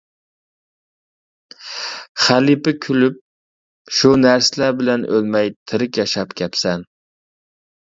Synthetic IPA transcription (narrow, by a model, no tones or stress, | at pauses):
χælipɪkʲʰylyp̚ | ʃunæɾsɪlæɾbɪlɛnʔølmɛjt̪ʰɪɾɪkʲjɑʃɑpkʲʰɛpsɛn